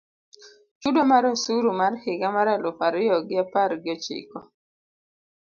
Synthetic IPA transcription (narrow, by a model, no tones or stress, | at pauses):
t͡ʃudomaɾɔsuɾumarhɪɡamaɾalʊpaɾɪjɔɡɪapaɾɡɪɔt͡ʃɪ̰kɔ